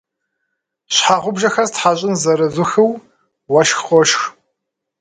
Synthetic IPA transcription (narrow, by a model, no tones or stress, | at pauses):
ɕħaːʁʷʊbʒɐxɐztħaːɕʼɪnzɐɾɐzʷʊxɨw | wɐʃxqʷɔʃx